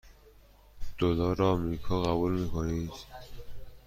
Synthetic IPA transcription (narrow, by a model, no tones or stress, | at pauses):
d̪̥olɒːɾɒːmɾiːkʰɒːɣæbuːlmiːkʰoniːd̪̥